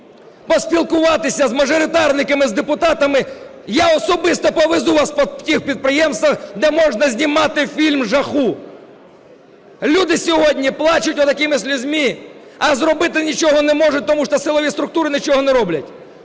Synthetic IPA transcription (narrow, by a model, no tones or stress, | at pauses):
pɔsʲpʲilˠkʊʋɑt̪ɪsʲɐzmɐʒɔɾʲɪt̪ɑrnɪkɐmɪzd̪epʊt̪ɑt̪ɐmɪ | jaɔsɔbɪst̪ɔpɔʋezuʋɑspɔtʲixpʲid̪̚pɾɪjɛmst̪ʋɐxd̪ɛmɔʒnɐzʲnʲimɑt̪ɪfʲilʲmʒɐxu | lʲud̪ɪsʲɔɦɔdʲnʲiplˠɑt͡ʃʊtʲʊt̪ɐkɪmɪsʲlʲʊzʲmʲi | ɐzrɔbɪt̪ɪnʲit͡ʃɔɦɔnɛmɔʐʊt̚ʲt̪ɔmuʃt̪ɔsɪlˠɔʋʲist̪ɾʊkt̪uɾɪnʲɪt͡ʃɔɦɔnɛɾɔblʲɐtʲ